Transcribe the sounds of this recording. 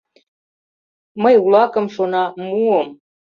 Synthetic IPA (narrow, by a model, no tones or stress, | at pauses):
məjulˠɑkɤ̆mʃonɑmuəm